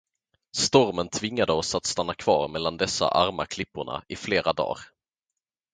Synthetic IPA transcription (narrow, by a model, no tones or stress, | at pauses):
st̪ɔɾmənt̪ʰvɪŋːad̪əɔsat̪st̪anːakʰvɑ̰ːɾmɛlːand̪ɛsa̰ʔaɾmakʰlɪpːʊɳa̰ɪfleːɾad̪ɑ̰ːɾ